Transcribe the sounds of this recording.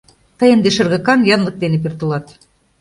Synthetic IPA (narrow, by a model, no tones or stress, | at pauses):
t̪ɤ̆jə̆nd̪eʃɤ̆rɣɤ̆kɑnjɑnlˠɤ̆k̚d̪enep̬ert̪ə̆lɑt̪